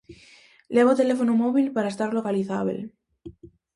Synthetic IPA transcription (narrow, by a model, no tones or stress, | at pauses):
leɣot̪e̞lefonomoβilpaɾaest̪aɾlo̞kaliθaβḛl